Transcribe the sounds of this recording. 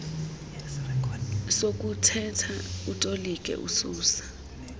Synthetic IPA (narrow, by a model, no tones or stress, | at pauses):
sokʼutʰɛtʰautʼolikʼɛ̰ʔṵsuːsḁ